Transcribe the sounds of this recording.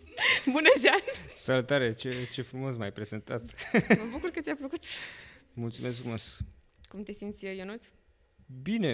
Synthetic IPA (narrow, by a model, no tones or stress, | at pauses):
bunəʒansalut̪aɾe̞t͡ʃe̞t͡ʃe̞fɾumo̞smajpɾe̞ze̞nt̪a̰t̪məbukurkət̪sʲapləkut̪mult̪sume̞skfɾumos | kumt̪e̞simt̪sʲəjonut̪s | bine